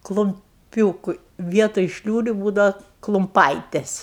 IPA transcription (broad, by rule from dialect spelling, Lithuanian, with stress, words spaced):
klˠʊmʲˈpʲuːkʊ ˈʋʲiɛtoːj ˈʃʲlʲuːrʲʊ ˈbuːdɐʋɐ klˠʊmˈpɐɪtʲɛs